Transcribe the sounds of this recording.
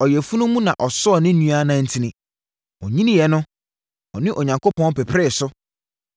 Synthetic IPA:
ɔ˨jɛ˨fu˦nʊ̃˦mũ˦nã˨ʔɔ˨sɔ˦ɔ˨nɪ̃˦nũ˦a˦nã˨˦n̩˦tʰi˦nɪ̃˨ | ɔ˨ɲĩ˦nɪ̃˦jɛ˨nʊ̃˦ | ɔ˨nɪ̃˦ʔɔ˨ɲã˨ŋkʰo˦pʰɔ̃˦n˦pɛ˨pʰɾɛ˦˨sʊ˦

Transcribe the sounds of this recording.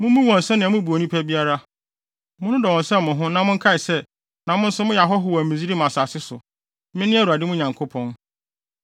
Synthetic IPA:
mʊ̃˦mũ˦wɔ̃˨n˨sɛ̃˦nɪ̃˨a˨mʊ̃˦bu˨o˨nĩ˦pʰæ˦bi˦a˦ɾa˦ | mʊ̃˦nʊ̃˦dɔ˨ɔ̃˨n˨sɛ̃˦˨mʊ̃˨ɦʊ̃˦nã˨mʊ̃˦ŋ̩˦kʰa˦ɪ˨sɛ˦ | nã˨mʊ̃˦n̩˦sʊ˦mʊ̃˦ja˨ɦɔ˦ɦʊ˨wɔ˨mĩ˨zi˦ɾi˦mã˨sa˨sɪ˦sʊ̰˨ | mɪ̃˦nɪ̃˦æ˦˨u˨a˨dɪ˦mʊ̃˦ɲã˨ŋkʰo˦pʰɔ̃˦n

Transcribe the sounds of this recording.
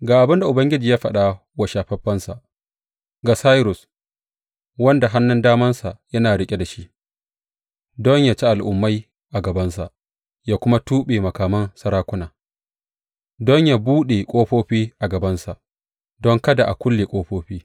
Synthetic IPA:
ɡaː˨ʔa˨bɪ˦nda˨ʔʊ˨bɐ˦ŋɡʲɪ˦d͡ʒiː˨jaː˦ɸɐ̰˦˨ɗa˦ | wa˨ʃaː˨ɸɐ˦ɸɐ˦nsa˨ʔ | ɡa˨sa˦jɾʊ˨s | wɐ˦nda˨ɦa˦nːʊ˦ndaː˦mɐ˦nsa˨ʔjɐ˦naː˨ɽɪ˦kʲʼe˦da˨ʃi˦ʔ | dɔ˦ɲjaː˨t͡ʃi˦ʔa˨lʔʊ˨mːa˦j | ʔa˨ɡɐ˨bɐ˦nsa˨ʔ | jaː˦kʷʊ˦ma˦tuː˦ɓeː˨mɐ˨kaː˨mɐ˦nsɐ˦ɾaː˦kʷʊ˦naː˨ | dɔ˦ɲjaː˨buː˦ɗe˨kʷʼoː˦ɸoː˦ɸiː˦ʔa˨ɡɐ˨bɐ˦nsa˨ʔ | dɔ˦ŋkɐ˦da˨ʔa̰˨kʷʊ˦lːeː˨kʷʼoː˦ɸoː˦ɸiː˦

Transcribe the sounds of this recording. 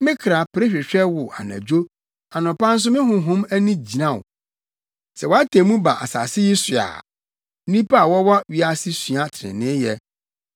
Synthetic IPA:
mɪ̃˦kʰɾa˨pɾe˦ɕᶣɪ˨ɕᶣɛ˦wʊ˨ʔa̰˨nã̰˨d͡ʑᶣo˦ | a˨nʊ̃˨pã˦n̩˦s̬ʊ˦mɪ̃˦ɦʊ̃˨ɦʊ̃˦mæ˦nĩ˦d͡ʑi˨nã˦˨ʊ̰˨ | sɛ˨wɔ˨a˦tʰẽ˨mũ˦ba˨ʔa̰˨sa̰˨sɪ˦ji˦sɥa̰ː˨˦ | ĩ˦pa˦a˨wɔ˦wɔ˦ɥi˦a˦sɪ˦sɥa˨tʰɪ˨ɪ̰̃˨nɪ̃˦jɛ˦

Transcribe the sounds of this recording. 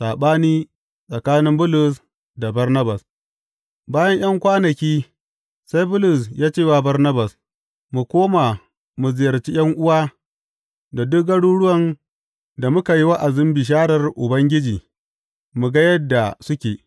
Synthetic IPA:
saː˨ɓaː˦niː˦ | sʼɐ˨kaː˦nɪ˦mbʊ˦lʊ˨s | da˨bɐ˦rnɐ˦ba˨s | baː˦jɐ˦ɲj̰ɐ˦ŋkʷaː˦nɐ˨kʲiː˦ | sa˦jbʊ˦lʊ˨s̬jaː˦t͡ʃeː˦˨wa˨bɐ˦rnɐ˦bɐ˨s | mu˨kʷoː˦ma˨ | mu˨zɪ˨jɐ˨rt͡ʃi˦j̰ɐ˦ŋʔʊ˦waː˦ | da˨dʊ˦k̚ɡɐ˦ɽuː˦ɽʊ˦wɐ˨n | da˨mʊ˦ka˨ji˦wa˦ʔa˨zʊ˦mbi˨ʃ̬aː˦ɽɐ˨rʔʊ˨bɐ˦ŋɡʲɪ˦d͡ʒiː˨ | mu˨ɡa˦jɐ˦dːa˨sʊ˦kʲeː˨

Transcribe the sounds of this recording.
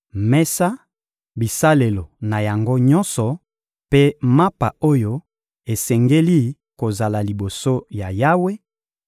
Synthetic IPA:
mɛ˦sa˦ | bi˨sa˦le˨lo˨na˨ja˨ŋɡo˦ɲɔ˦nsɔ˨ | pe˦ma˦pa˨o˦jo˦ | e˨sɛ˨ŋɡe˦li˦ | ko˨za˨la˨li˨bo˨so˦ja˨ja˦we˦

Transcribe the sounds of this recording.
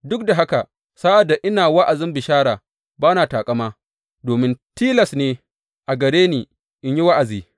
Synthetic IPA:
dʊ˦k̚da˨ɦa˦ka˨ | saː˦ʔa˨dːa˨ʔɪ˦naː˨wa˦ʔa˨zɪ˦mbɪ˨ʃaː˦ɽaː˨ | baː˦naː˨taː˨kʼɐ˦maː˦ | doː˨mɪ˦ntiː˦lɐ˨sneː˨ | ʔa˨ɡɐ˨ɾeː˦niː˨ | ʔɪ˦ɲji˦wa˦ʔa˨ziː˨

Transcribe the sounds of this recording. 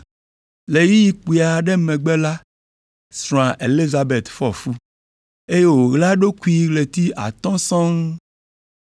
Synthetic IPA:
le˨ji˦ji˨k͡pu˨a˨ɖɛ˦mɛ̃˨ɡ͡bɛ˦la˦ | sɾ̃ã˨ʔe˨li˦za˨be˨t̪fɔ˦˨fu˦ | e˦je˦wo˨ɣla˦ɖo˦ku˦i˦ɣle˨t̪i˦ʔa̰˨t̪ɔ̃˦sɔ̃˦ŋ

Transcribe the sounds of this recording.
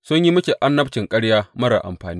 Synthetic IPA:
sʊ˦ɲji˦mʊ˦kʲe˨ʔa˦nːɐ˦b̚t͡ʃɪ˨ŋkʼɐ˦ɽjaː˦mɐ˦ɾa̰˨ʔa̰˨mɸaː˨niː˦

